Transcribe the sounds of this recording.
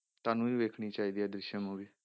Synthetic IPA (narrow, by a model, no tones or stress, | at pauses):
t̪aːnũːʋeːkʰɽ̃iːt͡ʃaːiːd̪iːɛːd̪ɾɪʃəmoːʋiː